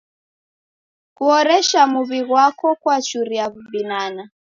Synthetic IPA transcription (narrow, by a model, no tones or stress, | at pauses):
kuɔɾɛʃamuβiɣwakɔkwat͡ʃuɾiaβubinana